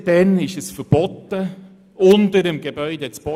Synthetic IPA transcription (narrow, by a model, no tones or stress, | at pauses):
d̥ɛnɪʃəsfəɾb̥ɔt̪ːə | ʊndəɾəmɡebœʏdet͡sb̥ɔ